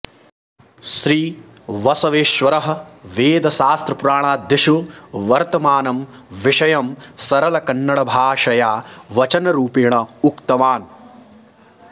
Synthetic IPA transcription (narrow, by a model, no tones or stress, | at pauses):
ʃɾiː | ʋɐsɐʋeːʃʋɐɾɐɦɐ̆ʋeːd̪ɐʃaːst̪ɾɐpuɾaːɳ̃aːd̪ʱjɐʃuʋɐɾt̪ɐmaːnɐm | ʋiʂɐjɐmsɐɾɐlɐkɐnːɐɽɐbʱaːʂɐjaːʋɐt͡ʃɐnɐɾuːpijɳɐukt̪ɐmaːn